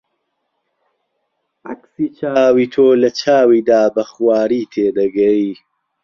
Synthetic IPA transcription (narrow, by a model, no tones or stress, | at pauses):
ʔɐksiːt͡ʃʰaːwiːt̪ʰoːlɐt͡ʃʰaːwiːd̪aːbɐxwaːɾiːt̪ʰeːd̪ɐɡɐi